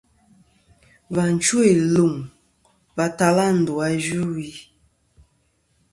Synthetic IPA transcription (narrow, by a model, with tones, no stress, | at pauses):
va˨n̩˨t͡ʃu˦e˨lu˨ŋ | va˦ta˦la˦n̩˨du˨a˦d͡ʒu˦wi˦